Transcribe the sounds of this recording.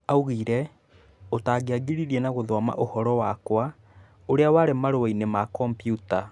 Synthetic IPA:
auɣiɾɛ | otaːɣeaɡiɾiɾienaɣoðwama̰ʔohɔɾɔwakwa | oɾeawaːɾemaɾoainemakɔmpijuta

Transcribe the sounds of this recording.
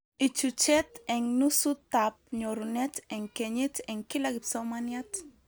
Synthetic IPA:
it͡ʃut͡ʃɛtɛŋnusut̪ːap̚ɲɔɾunɛtɛŋkɛɲit̪ɛŋkilakɪpsɔwmanjat

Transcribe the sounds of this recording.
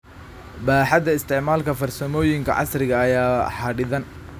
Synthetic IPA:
baːħɑd̪ɐɪst̪ʰɪʕmaːlkʰɐfɐrsɐmɔːjɪŋkʰɐ̰ʕɑ̰srɪɣɐːjaːħɑɖɪðɐn

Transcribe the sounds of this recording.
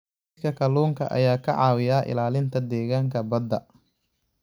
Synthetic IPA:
kʰɐkʰɐluːŋkʰɐ̰ʔɐ̰jaːkʰɐʕɑːwɪjaːʔɪ̰laːlɪnt̪ʰɐd̪ɛːɣaːŋkʰɐbɐd̪ːɐ

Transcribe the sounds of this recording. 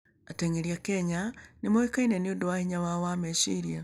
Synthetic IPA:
ateŋeɾiakɛɲanimoikainɛniodowahiɲawawamɛʃiɾia

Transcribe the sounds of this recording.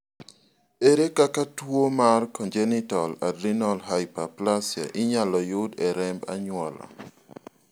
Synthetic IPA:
eɾekakatwomarkɔnd͡ʒɛnitɔladinɔlɦaɪpaplasja̰ʔɪɲalɔjʊdɛɾɛmba̰ɲwɔla̰

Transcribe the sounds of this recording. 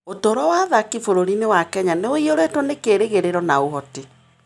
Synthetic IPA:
otɔɾɔwaðakifoɾoɾinewakɛɲaneoioɾetwɔnekeɾeɣeɾeɾɔnaoɦɔte

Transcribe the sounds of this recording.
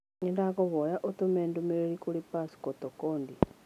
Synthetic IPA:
ŋendaɣoβɔjaʔot̪omɛːndomeɾeɾikoɾepasi̥kɔtɔkɔːndi

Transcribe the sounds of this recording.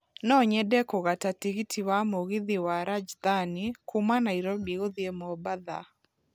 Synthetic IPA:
nɔɲɛdɛkɔɣatatiɡitʰiwamoɣiðiwaɾad͡ʒd̪anikumanaiɾɔbiɣoðjemɔbaða̰

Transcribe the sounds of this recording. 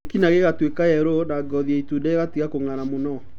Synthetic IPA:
kinaɣeɣatwekaɛɾonaɡɔðiaitudɛeɣatiɣakoŋaɾamonɔ

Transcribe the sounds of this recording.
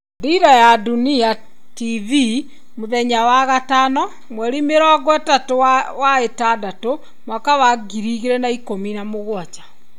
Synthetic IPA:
diɾajadunia | tivi | moðɛɲawaɣatanɔ | mwɛɾimeɾɔɡɔɛtatowaetadato | mwakawaɡiɾiɣeɾɛnaikominamoɣwat͡ʃḁ

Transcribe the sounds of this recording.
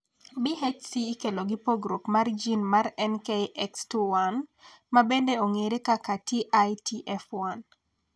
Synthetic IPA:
biɦet͡ʃsiːkeloɡipoɡɾokmard͡ʒinmaɾɛnkeʔɛkstuwanmabendeoŋeɾekakatiʔajtiʔɛfwan

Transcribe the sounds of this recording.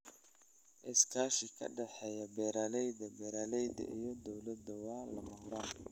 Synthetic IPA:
ʔɪskʰaːʃɪkʰɐ̰ɖɑħɛːjɐbɛːɾaːlɛjd̪ɐbɛːɾaːlɛjd̪ɐ̰ʔijɞd̪ɔwlɐd̪ɐwɑːlɐmɐhʊɾaːn

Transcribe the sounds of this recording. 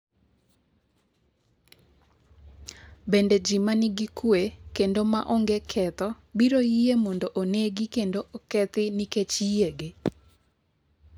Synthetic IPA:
bended͡ʒimanɪɡɪkwekendoma̰ʔɔŋɡekʰɛt̪ɔ | biɾojiemɔndoʔoneɡikendoʔɔkɛt̪ɪniket͡ʃijeɡɪ

